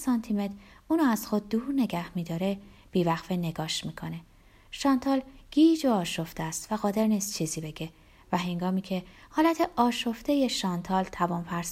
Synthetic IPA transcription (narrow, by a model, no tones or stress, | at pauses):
sɒnt̪ʰime̞d̪uːnuæz̥xo̞d̪̚d̪uːɾne̞ɟæhmiːd̪ɒːɾeb̥iːvæɣfene̞ɡɒːʃmiːkʰo̞ne̞ | ʃɒːnt̪ʰɒːlɡ̥iːd͡ʒoɒːʃo̞ft̪eæst̪væɣɒːd̪e̞ɾniːst̪t͡ʃʰiːziːbe̞ɟe̞ | væɦe̞ŋɡɒːmiːcʰe̞hɒːlæt̪ʰe̞ʔɒːʃo̞ft̪e̞je̞ʃɒːnt̪ʰɒːlt̪ʰævɒːnpʰæɾs